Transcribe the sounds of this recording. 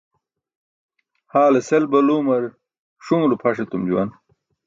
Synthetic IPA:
haːleselbɐluːmɐɾ | ʂumlupʰɐʂet̪umd͡ʑuwɐ̰n

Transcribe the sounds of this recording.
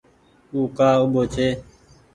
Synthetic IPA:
uːkaːʊɓoːt͡ʃʰeː

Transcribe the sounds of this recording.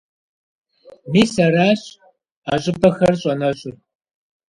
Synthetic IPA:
miːsɐɾaːɕ | aɕʼɪbɐxɐrɕʼɐnɐɕʼʊr

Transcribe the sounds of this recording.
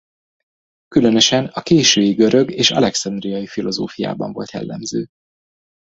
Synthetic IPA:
kylø̞nø̞ʃɛnɒkeːʃøːjiɡø̞ɾø̞ɡeːʃɒ̰lɛksɒnd̪rijɒjifilo̞zoːfija̰ːbɒ̰ɱvo̞̰lt̪jɛ̰lːɛ̰mzøː

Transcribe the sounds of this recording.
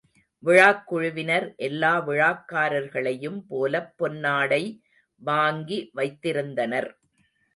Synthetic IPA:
ʋɪɻaːkːʊɻʊʋɪnɐɾʔɛlːaːʋɪɻaːkːaːɾɐɾɣɐɭɐjɯmpoːlɐpːɔnːaːɽɐɪ | ʋaːŋɡiʋɐɪt̪ːɪɾɯnd̪ɐnɐɾ

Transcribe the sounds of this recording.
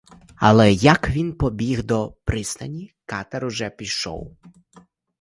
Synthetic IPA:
ɐ̰lˠɛjɐkʋʲinpɔbʲiɣd̪ɔpɾɪsnɐnʲikɑt̪ɛɾʊʒɛpʲiʃɔ̰w

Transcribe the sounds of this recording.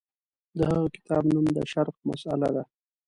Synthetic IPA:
d̪əhaɣakɪ̥t̪ʰɑbnumd̪ə̰ʃaɾqma̰sala̰d̪a

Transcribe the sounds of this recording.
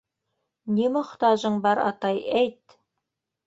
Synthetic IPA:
nimŏχt̪ɑʒɤɴbɑɾɑ̰t̪ɑjæjt̪

